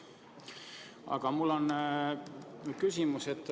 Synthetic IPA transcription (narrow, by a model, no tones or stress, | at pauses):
ɑ̰ɡ̥ɑmulːo̞n | kysʲimuset̪ːˑ